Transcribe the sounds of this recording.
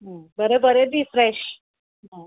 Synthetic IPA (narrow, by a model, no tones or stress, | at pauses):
ɦə̃bəɾebəɾebifɾɛɕ | ɦə̃